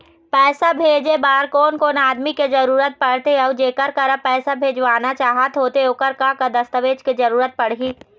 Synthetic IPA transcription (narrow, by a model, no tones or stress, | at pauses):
pɛːsabʱeːd͡ʒebaːɾkoːnkoːnaːd̪miked͡ʒɐɾuːɾət̪̚pɐɽ̤t̪eɔːd͡ʒeːkəɾkəɾəpɛːsabʱeːd͡ʒʋaːnat͡ʃaːɦət̪ɦoːt̪eʊkəɾkakəd̪ɐst̪əʋeːd͡ʒked͡ʒɐɾuːɾət̪̚pɐɽɦiː